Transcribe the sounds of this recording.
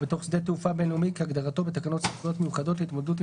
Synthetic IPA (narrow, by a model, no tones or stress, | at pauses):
bet̪o̞χsd̪et̪eufabenumikeaɡd̪aʁat̪o̞bet̪akano̞tsifχujo̞t̪mejuχad̪o̞tit̪mo̞ded̪ut̬